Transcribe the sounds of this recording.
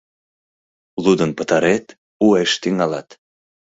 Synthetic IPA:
lud̪ənpət̪ɑɾet̪ | ueʃt̪iŋɑlɑ̰t̪

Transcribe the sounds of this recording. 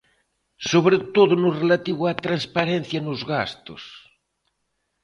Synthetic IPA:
soβɾet̪oðʊnʊrelat̪iβwat̪ɾanspaɾen̟θjanʊzɣast̪o̰s

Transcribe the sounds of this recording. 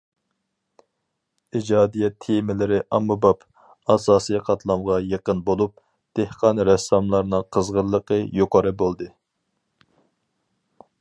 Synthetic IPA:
id͡ʒɑːd̪ijɛt̪ʰːemɪlɪɾɪʔɑmːubɑp | ɑsɑːsijqʰɑt̪ʰlˠɑmʁɑjeqənbolˠup̚ | d̪̥ehqʰɑnɾɛsɑmlˠɑɾnɨŋqʰəzʁəɾlˠːəqəjoqʰɑɾɨbolˠd̪ɨ

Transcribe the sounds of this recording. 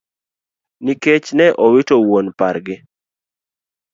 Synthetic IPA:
niket͡ʃnɛʔowɪtowonpaɾɡɪ

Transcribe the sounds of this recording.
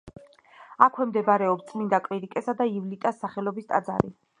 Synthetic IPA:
akʰwɛmd̪ɛbaɾɛɔpst̪sʼmind̪akʼɾiɾikʼɛsad̪aivlit̪ʼasːaχɛlɔbist̪ʼa̰d̪za̰ɾi

